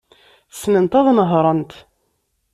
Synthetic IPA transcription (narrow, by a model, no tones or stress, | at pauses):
snənt̪ɑðˤnəɦɾˤənt̪